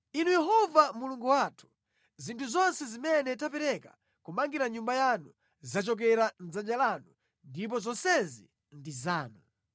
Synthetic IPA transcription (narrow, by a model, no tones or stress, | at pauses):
inujɛɦɔvamuluŋɡuwatʰu̥ | zintʰuzɔnsɛzimɛnɛtapɛɾɛkḁ̰ | kumaŋɡiɾaɲumbajanu | zat͡ʃɔk̬ɛɾand͡zand͡ʒalanu | ndip̬ɔzɔnsɛzi | ndizaːnu